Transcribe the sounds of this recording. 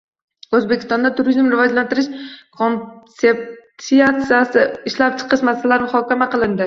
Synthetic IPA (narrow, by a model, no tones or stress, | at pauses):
ɵzbekʲɪ̥st̪ɒnd̪at̪ʰʊɾizmɾɪvɒd͡ʒlant̪ɪɾɪʃkʰonsepsiat̪sijasɪɪʃlap̚t͡ʃʰɨ̥qʰɨʃmasalaɾmʊhɒkʲʰamaqɨlˠɪnd̪ɪ